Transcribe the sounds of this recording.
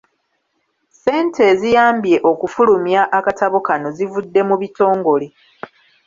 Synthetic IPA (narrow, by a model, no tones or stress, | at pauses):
se̞ːntʰe̞ːzijaːmbje̞ʔo̞kufulumjaʔakataβokano̞zivudːe̞muβito̞ːŋɡo̞le